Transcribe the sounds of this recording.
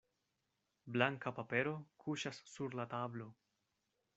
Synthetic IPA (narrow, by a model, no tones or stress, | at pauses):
blaŋkapape̞ɾo̞kʰuʃasːuɾlatablo̞